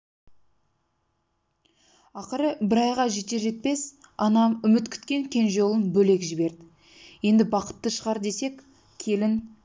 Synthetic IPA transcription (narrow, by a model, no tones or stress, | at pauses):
ɑqəɾəbɪɾɑjʁɑʒet̪e̞ʒe̞t̪̚pe̞sɑnɑmʏmɪt̪kʲʰʏ̥t̪kʲe̞ŋkʲʰe̞nʒo̞lˠənbɵle̞kʒɪbe̞ɾd̪ɪ | je̞nd̪ɪbɑqə̥t̪ːəʃəʁɑɾd̪e̞se̞kʲ | kʲʰe̞lɪn